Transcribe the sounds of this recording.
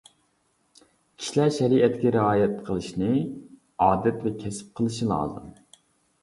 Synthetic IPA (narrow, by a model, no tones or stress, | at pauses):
kʲʰi̥ʃlæɾʃɛɾiʔɛt̪ːɡʲɛɾɪɑːjɛt̪qʰəlˠɨʃnɨ | ɑːd̪ɛt̪vɛkʲʰɛsɪ̥p̚qʰəlˠɨʃilˠɑ̰ːzɨ̰m